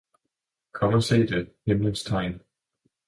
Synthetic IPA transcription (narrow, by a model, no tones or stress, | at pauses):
kʰɒməsḛːdəhɪmlənstʰaɪn